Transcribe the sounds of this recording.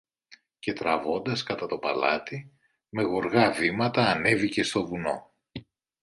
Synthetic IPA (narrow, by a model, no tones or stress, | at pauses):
ce̞t̪ɾɐvo̞nd̪ɐskɐt̪ɐt̪o̞pɐ̰lɐ̰t̪i | me̞ɣo̞ɾɣɐvimɐt̪ɐːne̞vice̞st̪o̞vuno̞̰